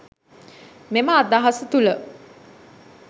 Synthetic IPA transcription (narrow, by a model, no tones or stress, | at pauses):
meməːd̪aɦasət̪ulə